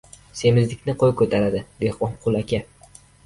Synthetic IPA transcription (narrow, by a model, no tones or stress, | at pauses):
se̞mɪzd̪ɪkʲnɪqʰoj̚kʰɵt̪ʰaɾad̪ɪbehɒmqʰʊlˠakʲʰa